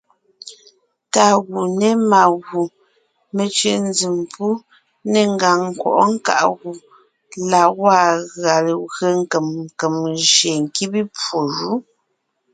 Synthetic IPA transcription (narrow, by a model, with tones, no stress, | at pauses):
ta˨ɣu˨ne˦ma˨ɣu˨ | me˨t͡ʃɥe˨n˦d͡zi˨mpu˦ | ne˨ŋ˦ɡa˨ŋ̩˨kwɔ̰˨ʔɔ˦ŋ̩˦ka̰˨ʔɣu˨ | la˨wa˦˨ɣa˨lɣə˦ŋ˦ke˨m˨ke˨mʒe˨ŋ̩˨ki˦bi˦pwo˨ʒu˨˦